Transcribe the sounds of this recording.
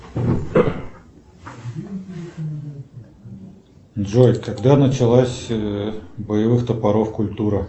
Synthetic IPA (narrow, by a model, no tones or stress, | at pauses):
d̪ʐojkɐɡd̪anət͡ɕɪlˠasʲ | bəjɪvɨxt̪əpɐɾofkʊlʲt̪uɾə